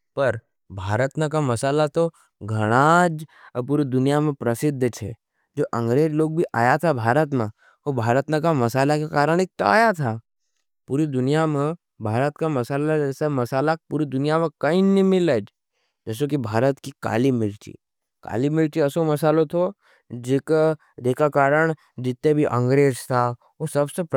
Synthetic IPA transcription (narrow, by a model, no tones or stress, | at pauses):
pɐɾ | bʱaːɾət̪nẽk̬amɐsaːlat̪o | ɡʱɐɽ̃ad͡ʒpuːɾid̪ʊnijamẽpɾəsɪd̪ʱːt͡ʃʰḛ | d͡ʒoːʔɐ̃ŋɡɾeːd͡ʒloːɡ̚bʱiʔa̰ːjat̪ʰabʱaːɾət̪mẽ | obʱaːɾət̪nə̃kamɐsaːlakekaːɾəɽ̃ik̚t̪oa̰ːjat̪ʰa | puːɾid̪ʊnijamẽ | bʱaːɾət̪kamɐsaːlad͡ʒɛːsamɐsaːlapuːɾid̪ʊnijamẽkɐĩnĩmɪləd͡ʒ | d͡ʒəs̬okibʱaːɾət̪kika̰ːlimɪlt͡ʃḭ | ka̰ːlimɪlt͡ʃiɐsomɐsaːlot̪ʰo | d͡ʒek | d͡ʒeːkakaːɾəɽ̃ | d͡ʒɪt̪ːebʱiʔɐ̰̃ŋɡɾeːzt̪ʰa | osɐbsep